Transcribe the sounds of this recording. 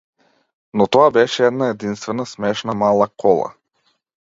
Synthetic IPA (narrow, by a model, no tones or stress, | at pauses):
nɔt̪ɔabɛʃɛɛd̪naɛd̪inst̪vɛnasmɛʃnamalˠakʰɔlˠa̰